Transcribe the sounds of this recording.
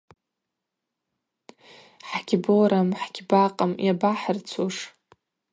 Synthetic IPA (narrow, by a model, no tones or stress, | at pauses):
ħɡʲboɾamħɡʲbaqʼamjabaħərt͡sʰuʂ